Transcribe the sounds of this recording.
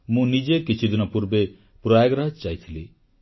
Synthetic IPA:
mũnid͡ʒekit͡ʃʰud̪inɔpuɾbe | pɾɔjaɡɾad͡ʒt͡ʃajt̪ʰili

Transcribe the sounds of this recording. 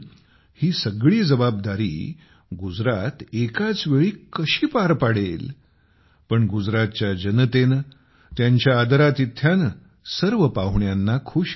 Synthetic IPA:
hiːsəɡɭiːd͡zəbab̚d̪aɾḭː | ɡud͡zɾat̪ekat͡sʋeɭiːkəɕiːpaɾpaɽ̤el | pəɳɡud͡zɾat̪̚t͡ɕjad͡ʑənt̪en | t̪jaɲt͡ɕjaːd̪əɾat̪it̪ʰːjan | səɾʋəpaɦɳjanːakʰuːɕ

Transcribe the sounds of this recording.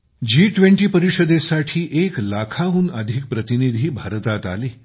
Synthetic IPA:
d͡ʑiːʈʋeɳʈiːpəɾiʂəd̪esaʈʰiːʔeklakʰaɦuːnəd̪ʱik̚pɾət̪inid̪ʱiːbʱaɾət̪at̪a̰liː

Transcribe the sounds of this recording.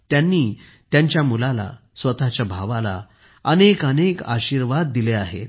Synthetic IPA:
t̪janːiː | t̪jaɲt͡ɕjamulala̰ | sʋət̪at͡ɕjabʱaʋala̰ | ənekəneka̰ɕiːɾʋad̪̚ːileaɦḛt̪

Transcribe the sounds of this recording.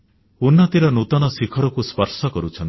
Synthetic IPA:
unːɔt̪iɾɔnut̪ɔnɔsikʰɔɾɔkuspɔɾsɔkɔɾut͡ʃʰɔn

